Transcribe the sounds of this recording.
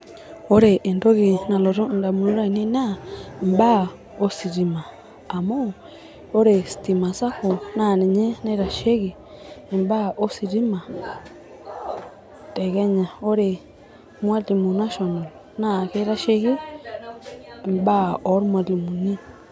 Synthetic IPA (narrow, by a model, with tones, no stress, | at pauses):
o˦ɾe˨ʔe˨ndo˦ɣe˨na˨lɔ˨ɾu˦n˨da˨mu˨nu˦ɾa˦i˨ni˦na˦mba˦ | o˦si˨ɾi˨maː˨ | mo˦ | o˦ɾe˨si̥˨ti˨ma˨sa˦ko˨na˦˨ni˨ɲɛ˦na˦ɾa˨ʃe˦ɣi˨ | mba˦o˦si˨ɾi˦ma˨ | tɛ˨ɣɛ˦ɲa˨o˦ɾe˨ | mwa˦li˨mu˨na˦ʃɔ˨na˨l | na˦˨ke˦ɾa˦ʃe˦ɣi˦˨ | mba˦ɔ˨˦ɾmwa˨li˨mu˨ni˦